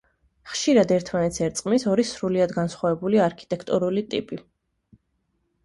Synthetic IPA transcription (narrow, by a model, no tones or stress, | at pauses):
χʃiɾad̪ɛɾt̪ʰmanɛt̪sɛɾt̪sʼqʼmisɔɾisɾuliad̪ɡansχwavɛbuliaɾkʰi̥t̪ʼɛkʰt̪ʼuɾulit̪ʼḭpʼi